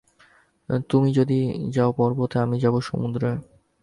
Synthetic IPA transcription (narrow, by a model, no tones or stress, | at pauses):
t̪umid͡ʑod̪id͡ʑaopɔɾbot̪ʰeamid͡ʑaboʃo̰mud̪ɾe